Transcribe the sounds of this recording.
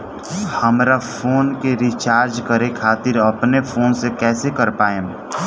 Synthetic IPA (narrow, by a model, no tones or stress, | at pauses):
həmɾafʰoːnkeɾit͡ʃaːɾd͡ʒkəɾekʰaːt̪ɪɾɐpnefʰoːnsekɛːsekɐɾpaːẽ